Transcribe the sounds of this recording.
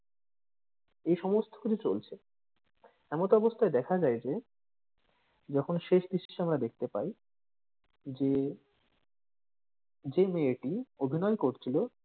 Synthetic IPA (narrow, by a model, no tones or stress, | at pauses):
ejʃɔmost̪ʰo̥kʰit͡ɕʰit͡ɕolt͡ɕʰe | ɛmot̪oɔbost̪ʰaed̪ɛkʰad͡ʑajd͡ʑe | d͡ʑɔkʰonʃeʃd̪iʃi̥ʃamɾad̪ek̚ʰt̪epa̰j | d͡ʑe | d͡ʑemeeʈiobʱinɔekoɾt͡ɕʰilo